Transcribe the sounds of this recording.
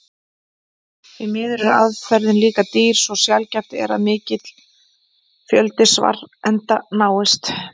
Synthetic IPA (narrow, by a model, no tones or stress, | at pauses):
vɪmɪːðʏɾʏa̰ðfɛɾðɪnliːkat̪iːɾ̥sɔsjalcaft̪ɪɛ̰ɾaðmɪːcɪt̪l̥ | fjœlt̪ɪsva̰ɾɛnt̪anaːwɪst̪